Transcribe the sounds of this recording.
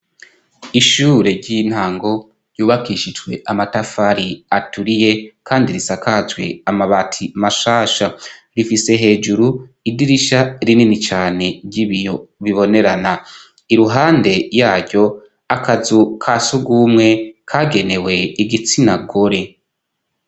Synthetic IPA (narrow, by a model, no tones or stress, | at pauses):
iʃuːɾe̞ɾɟin̥haːŋɡo̞ | ɾjuːβakiʃid͡ʒɡwe̞ʔamatafaɾiatuɾije̞kaːndiɾisakazwe̞̰amaβatʰimaʃaːʃaɾifise̞ɦe̞ːd͡ʒuɾuidiɾiʃaɾininit͡ʃaːne̞ɾɟiβijo̞βiβo̞ne̞ɾana | iɾuɦaːnde̞jaːɾɟo̞ | akazukʰasuɡumŋe̞kʰaɡe̞ne̞we̞iɡit͡sinaɡoɾe̞